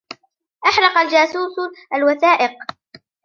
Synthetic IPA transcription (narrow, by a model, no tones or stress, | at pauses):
ʔaħlɑqald͡ʒaːsuːsʔalwaθaːʔɪq̚